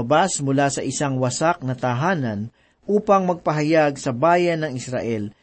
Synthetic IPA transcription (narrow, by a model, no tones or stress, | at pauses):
ɐbasmʊlaːsɐʔɪsaŋwɐsak̚nɐt̪aɦaːnɐn | ʔuːpɐŋmɐɡ̚pɐɦɐjaɡsɐbaːjɐnːɐŋɪsɾa̰ʔɛl